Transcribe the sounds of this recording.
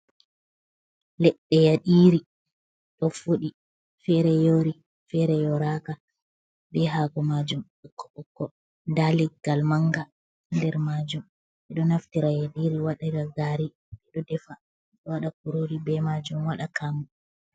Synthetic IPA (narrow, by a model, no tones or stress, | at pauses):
lɛɗːɛjaɗiːɾi | ɗɔfoɗi | fɛɾɛjoɾi | fɛɾɛjɔɾaka | bɛɦaɡɔmad͡ʒum | ɔkːɔɔkːɔ | ndalɛɡalmaŋɡa | ndɛɾmad͡ʒum | ɓɛɗɔnaftiɾajaɗiɾiwaɗaɾaɡaɾi | ɓɛɗɔdɛfa | ɗɔwaɗakuɾoɾibɛmad͡ʒumwaɗakamu